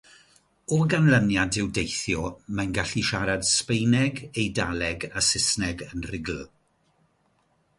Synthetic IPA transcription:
ɔɡanlˠənjadɪwdejθjɔmajnɡaɬiʃaɾad̥spejnɛɡejdalɛɡasɪsnɛɡənrɪɡll

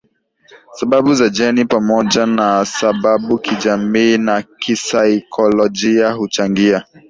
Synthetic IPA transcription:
sabaɓuzad͡ʒɛnipamɔd͡ʒanasaɓaɓukʰid͡ʒamiːnakisaikʰɔlɔd͡ʒiaɦut͡ʃaŋɡia

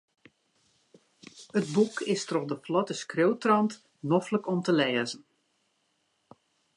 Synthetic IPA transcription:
ət̚bukɪstrɔχdəflɔtəskrøwtrɑnt | nɔfləkɔmtəlɛːzən̩

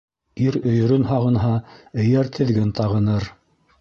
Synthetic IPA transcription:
iɾɵ̆jɵ̆ɾɵnɦɑʁɤ̆nɦɑɘ̆jæɾt̪ʰɘ̆ðɡɘnt̪ɑʁɤ̆nɤɾ

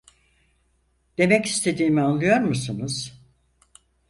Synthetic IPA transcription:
d̪̥e̞mɛcist̪ʰe̞d̪iːmianlˠɯjo̞ɾmusɯnɯz̥

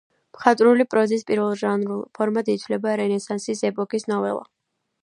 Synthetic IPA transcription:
pχat̪ʼɾulipʼɾɔzispʼiɾvɛlˠʒanpʰɔɾmad̪it̪ʰwlɛbaɾɛnɛsansisɛpʼɔkʼisnɔvɛ̰lˠa̰

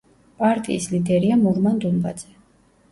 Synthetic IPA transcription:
pʼaɾt̪ʼḭːslid̪ɛɾiamuɾmand̪umba̰d̪z̥ɛ

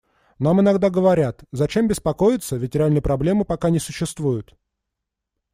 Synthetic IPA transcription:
namɨnɐɡd̪aɡəvɐɾʲat̪zɐt͡ɕe̞mbʲɪspɐko̞jɪt̪səvʲɪtʲɾʲɪalʲnɨjəpɾɐblʲe̞mɨpɐkanʲɪsʊɕːɪst̪vujʊt̪

